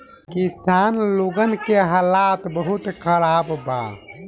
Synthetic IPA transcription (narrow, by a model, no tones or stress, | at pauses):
kisaːnloɡənkeɦaːlaːt̪bəɦut̪kʰəɾaːbba̰